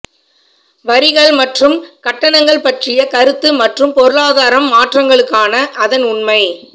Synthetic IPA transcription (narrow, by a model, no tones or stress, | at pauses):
ʋɐɾɪɣɐɭmɐʈrɯmkɐʈːɐnɐŋɡɐɭpɐʈrɪjɐkɐɾɯt̪ːɯmɐʈrɯmpɔɾɯɭaːðaːɾɐmːaːʈrɐŋɡɐɭɯkːaːnɐʔɐðɐnʊnmɐɪ